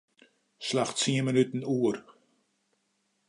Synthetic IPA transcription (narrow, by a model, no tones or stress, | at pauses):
slaxtsiəmənytən̩uər